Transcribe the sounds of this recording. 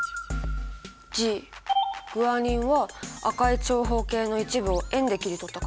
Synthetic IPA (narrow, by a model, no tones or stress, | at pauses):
d͡ʑi | ɡ̥ɯ̟aɲ̟ĩɰ̃βaakait͡ɕo̞ːɦo̞ːke̞ːno̞it͡ɕibɯ̟o̞ẽ̞nd̪e̞kʲiɾʲit̪o̞t̪ːak